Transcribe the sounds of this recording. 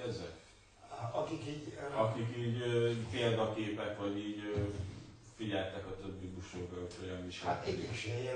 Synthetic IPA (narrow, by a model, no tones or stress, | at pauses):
ɛzɛk | ɒkikiːɟɒkikiːɟøpeːld̪ɒkeːpɛkʋɒɟiːɟ | fiɟɛlt̪ɛkɒt̪øbːibuʃoːɡɒoc̪hojɒmmiʃat̪ɛeʃejɛ